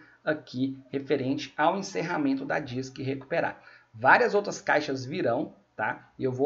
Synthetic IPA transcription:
akʰihefeɾẽnt͡ʃɪ̥awẽseɦamẽnt̪ʊd̪ɐd͡ʒiskɪɦeku̥peɾa̰vaɾiɐzowt̪ɾɐskajʃɐzviɾɐ̃w̃ | t̪aɪewvo

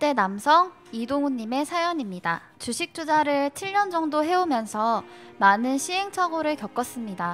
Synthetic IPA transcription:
t͈e̞namsʰʌŋ | idoŋuɲːime̞sʰajʌɲimɲida | t͡ɕuɕʰik̚t͡ɕ͈ud͡ʑaɾɯɭt͡ɕʰiɭɲʌnd͡ʑʌŋdoɦe̞omjʌnsʰʌmanɯnɕʰiɦe̞ŋt͡ɕʰaɡoɾɯɭkjʌk͈ʌs͈ɯmɲida

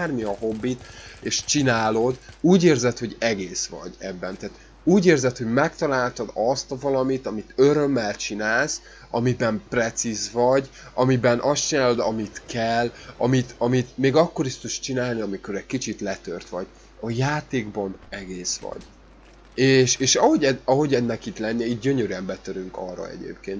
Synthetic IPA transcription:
armiɒɦo̞bːit̪eːʃt͡ʃinaːlo̞d̪uːɟeːrzɛt̪ho̞ɟɛɡeːsʋɒ̰ɟɛbːɛnt̪aːt̪ | uːɟeːrzɛt̪ho̞ɟmɛkt̪ɒlaːlt̪ɒd̪ɒst̪vɒlɒmit̪ɒmit̪øɾø̞mːɛlt͡ʃinaːls | ɒmibɛmprɛt̪sizvɒɟ | ɒmibɛnʔɒst͡ʃinaːlo̞d̪ɒmit̪kɛlːɒmit̪ɒmit̪meːɡɒkːo̞ɾist̪uʃt͡ʃinaːlniɒmiko̞ɾɛɟkit͡ʃit̪lɛt̪ørt̪ʋɒɟ | ɒjaːt̪eːɡbɒnɛɡeːsʋɒ̰ɟ | eːʃeːʃɒɦo̞ɟɛɒɦo̞ɟɛd̪nɛkit̪lɛnːɛiːt̪̚ɟøɲøɾyɛmbɛt̪øɾyŋkɒ̰rːɒ̰ɛ̰ɟḛːp̚keːnt̪

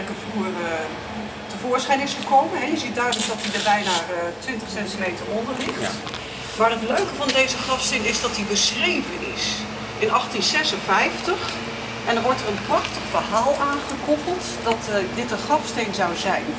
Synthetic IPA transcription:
kəvuːrə | təvʊːɹsχɛjnɪsχəkowmənɦɛjəzit̚dœɥdənzdɑtdidəɹbɛjnaːətʋɪntəχsɛntimejtərɔndərlɪχ | maːrətløɥkəvɑndejzəχrɑfstejnɪzdɑt̚dibəsrejvənɪ̰s | ɪnɑχtinsɛsənvɛjftəχ | ʔɛndənʋɔɹtərənprɑχtəχfərɦaːlˠaːnχəkɔpəl̩ˠt | dɑtdɪtənχɑfstejnzɑwzɛjn

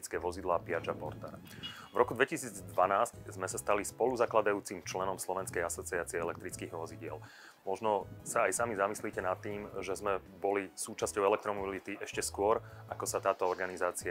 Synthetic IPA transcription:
it͡skɛːʋɔzid̪laːpiad͡ʒapɔ̰ɾt̪a̰ɾ | vɾɔkud̪ʋɛcisiːd͡zd̪ʋanaːsczmɛsast̪alispɔluzaklad̪ajuːt͡simt͡ʃlɛnɔmslɔʋɛnskɛjasɔt͡siɛat͡siɛɛlɛk̚t̪ɾit͡skiːɣʋɔziɟɪɛl | mɔʒnɔsaːjsamizamisliːcɛnat̪ːiːmʒɛzmɛ | bɔlisuːt͡ʃascɔʊɛlɛkt̪ɾɔmɔbilit̪iʔɛʃcɛskʊɔɾ | akɔsat̪aːt̪ɔɔɾɡanizaːt͡si

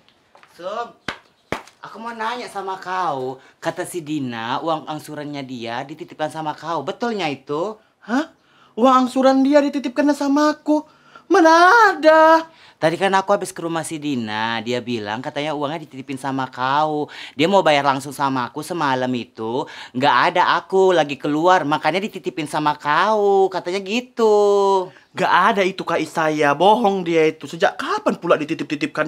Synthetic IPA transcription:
so | akumanaɲaʔsamakaukat̪asidinauwaŋaŋsuɾanɲadiadit̪it̪ɪp̚kansamakaubət̪ʊlɲait̪u | hah | uwaŋaŋsuɾandiadit̪it̪ɪp̚kanɲasamaːku | mənada | t̪adikarnaːkuɦabɪskəɾumahsidinadiabila̰ŋkat̪aɲauaŋɲadit̪it̪ipɪnsamakaudiamaubajarlaŋsʊŋsamaːkusəmalamit̪uŋɡaʔːdaʔakulaɡikəluarmakaɲadit̪it̪ipɪnsamakaukat̪aɲaɡit̪u | ŋɡaʔadait̪ukaisajabɔɦɔŋdiait̪usəd͡ʒaʔkapanpuladit̪it̪ɪp̚t̪it̪ɪp̚kan

